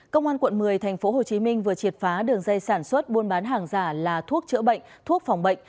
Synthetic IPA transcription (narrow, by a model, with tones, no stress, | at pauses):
kə˧wŋ͡mʔaː˧nkwə̰˧˨nmɨ˨˩əjt̪ʰɛ˨˩ŋ̟fo˨˦ɦo˨˩t͡ɕi˨˦mï˧ŋ̟vɨ˨˩ət͡ɕi˨˩ət̚faː˨˦ɗɨ˨˩əŋza˧jsaː˧˩nswə˦˥t̚ɓu˧ənɓaː˨˦nɦaː˨˩ŋzaː˧˩laː˨˩t̪ʰu˦˥ək̚t͡ɕɨ̰˧˥əɓə̰˧˨jŋ̟t̪ʰu˦˥ək̚fa˨˩wŋ͡mɓə̰˧˨jŋ̟